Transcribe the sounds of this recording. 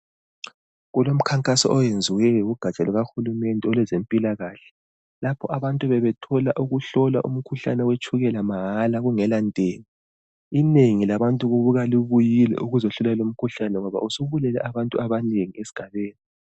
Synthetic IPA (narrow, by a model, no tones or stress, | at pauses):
ɣulom̩kʰaŋkʼasɔ̰ʔɔjend͡zʱiwɛjɔuɡ̥ʱat͡ʃʼaluɣaxulumɛndʱɛɔlwɛzempʼilaɣaɬɛ̥ | lapʰɔʔaβantʼuβɛβɛtʰɔlaʔuɣuɬɔla̰ʔṵm̩kʰuɬa̰nɛwet͡ʃʰʼuɣɛlamaɦalaɣuŋɛlandʼʱeːni | ineŋilaβantʼuɣuβuɣaliβujilɛ̰ʔuɣuzɔɬulalom̩kʰuɬanɛŋɔβa̰usuβulɛlɛ̰ʔaβantʼuaβaneŋiesi̥ɡ̥ʱaβeːni